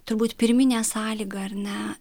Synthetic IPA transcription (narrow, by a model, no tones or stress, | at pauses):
t̪ʊɾbuːt̪pʲɪɾʲmʲɪnʲæːsɑːlʲiːɡɐɐrnʲɛ